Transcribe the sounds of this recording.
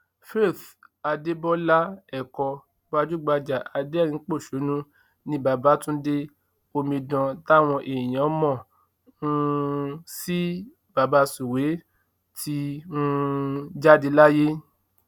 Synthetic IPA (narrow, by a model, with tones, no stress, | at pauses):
fe˦˨θa˧de˦bɔ˦la˦ɛ˦˨kɔ˧ | ba˧d͡ʒu˦ɡ͡ba˧d͡ʒa˨a˧de˦˨ɾĩ˧˨˦k͡po˦˨ʃo˨˦nũ˦ | nĩ˧˦ba˨ba˨˦tũ˦de˦ | o˧mĩ˧dã˧ta˦˨w̃ɔ̃˧ʔe˨j̃ã˨˦mɔ̃˦˨ | ũ˦ | si˦ | ba˨ba˦su˨we˨˦ | ti˧˦ũ˦d͡ʒa˦di˧la˦je˦